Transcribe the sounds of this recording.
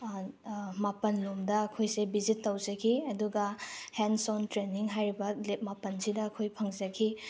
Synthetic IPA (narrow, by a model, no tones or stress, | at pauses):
mapɐnlomdɐːkʰojsebizitːɐwzɐkʰiɐduɡɐhensɔntɾeniŋɦajɾibɐlep̚mapɐnsidɐːkʰojpʰɐŋzɐkʰi